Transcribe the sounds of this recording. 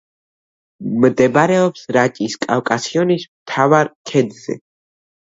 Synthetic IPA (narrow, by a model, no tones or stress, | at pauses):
md̪ɛbɾɛɔpsɾat͡ʃʼiskʼawkʼasiɔnismt̪ʰavaɾkʰɛd̪zɛ̰